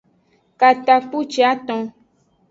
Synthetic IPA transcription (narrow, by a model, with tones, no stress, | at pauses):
ka˨t̪a˨k͡pu˦t͡ʃi˨˦a˦t̪ɔ̃˧